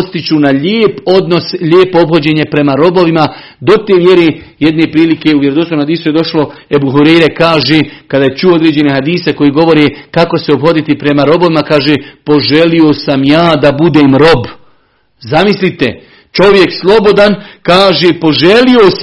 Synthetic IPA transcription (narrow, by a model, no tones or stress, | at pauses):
st̪it͡ɕunaʎeːpo̞d̪no̞sʎeːpoobho̞d͡ʑe̞ːɲe̞pɾe̞maɾo̞bo̞ʋima | d̪o̞t̪eːmje̞ɾe | jed̪nepɾiːlike̞uʋjeɾod̪osomhad̪iːsujed̪o̞ʃlo̞ebuɦuɾejɾekaːʒeːkad̪aːjet͡ʃuo̞d̪ɾeːd͡ʑe̞neɦad̪iːseko̞jiːɡo̞ʋo̞ɾeːkako̞seobho̞d̪it̪ipɾe̞maɾo̞bo̞ʋimakaːʒeːpo̞ʒe̞lio̞samjaːd̪abud̪eːmɾo̞b | zamislit̪ḛ | t͡ʃo̞ʋje̞kslˠo̞bo̞d̪ankaːʒeːpo̞ʒelios